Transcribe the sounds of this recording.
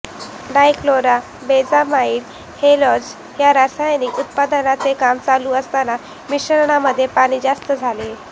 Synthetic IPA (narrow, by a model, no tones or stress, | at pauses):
ɖajkloɾa | bed͡zamaiːɽ | helɔd͡z | ɦjaɾasajniːkut̪̚pad̪ənat͡sekamt͡saluːəst̪ana | miɕəɾɳ̃aməd̪ʱːjepaɽ̃iːd͡zast̪əd͡zʱale